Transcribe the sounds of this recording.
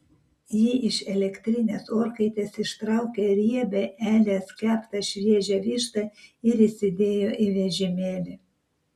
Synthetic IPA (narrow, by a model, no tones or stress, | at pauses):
jiːʔɪʃɛlʲɛkʲt̪ʲɾʲɪnʲeːsoːɾkɐɪt̪ʲeːsɪʃt̪ɾɐˑʊkʲɛɾʲiɛbʲɛʔæːlʲeːskʲæːpt̪ɐʃʲʋʲiɛʒʲɛʋʲiːʃt̪ɐɪɾɪsʲɪd̪ʲeːjoːʔɪʋʲɛʒʲɪmʲeːlʲɪ